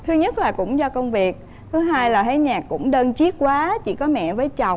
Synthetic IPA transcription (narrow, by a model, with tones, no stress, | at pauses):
t̪ʰɨ˧ɲə˦˥t̚laː˨˩kʊ̰˧˥ŋ͡mzɔ˧kə˧wŋ͡mvi˨˩ək̚ | t̪ʰɨ˨˦ɦaː˧jlaː˨˩ɦa˧˥ɲaː˨˩kːʊ̰˧˥ŋ͡mɗəː˧nt͡ɕi˦˥ət̚kwaː˨˦t͡ɕḭ˧˥kɔ˨˦mɛ̰˧˨vəː˨˦jt͡ɕa˨˩wŋ͡m